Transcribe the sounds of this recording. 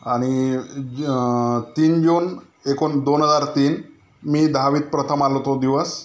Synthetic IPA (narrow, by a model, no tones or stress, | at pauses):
aɽ̃i | t̪iːnd͡ʒuːn | ekond̪onɦəzaɾt̪iːn | miːd̪ʱaʋiːd̪̚pɾət̪ʰəmalot̪od̪iʋəs